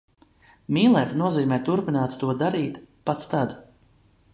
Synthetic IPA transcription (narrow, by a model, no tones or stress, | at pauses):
miːlˠɛːt̪nuɔziːmɛːt̪uɾpinaːt̪t̪uɔd̪aɾiːt̪pat̪st̪ad̪